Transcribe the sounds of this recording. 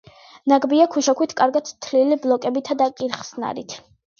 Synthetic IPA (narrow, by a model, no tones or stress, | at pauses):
naɡbiakʰuʃakʰwit̪ʰkʼaɾɡat̪ʰt̪ʰliliblˠɔkʼɛbit̪ʰad̪akʼiɾχsna̰ɾit̪ʰ